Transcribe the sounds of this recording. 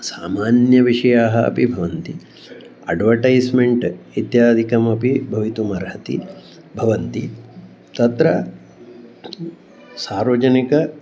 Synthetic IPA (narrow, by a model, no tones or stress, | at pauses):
saːmaːnjɐʋiʂɐjaːɦɐɐ̰pibʱɐʋɐnt̪i | ɐɖʋɐʈɐjsmeɳʈit̪jaːd̪ʱikɐmɐpibʱɐʋit̪umɐɾɦɐt̪ḭ | bʱɐʋɐnt̪i | t̪ɐt̪ɾɐ | saːɾʋɐd͡ʒɐnikɐ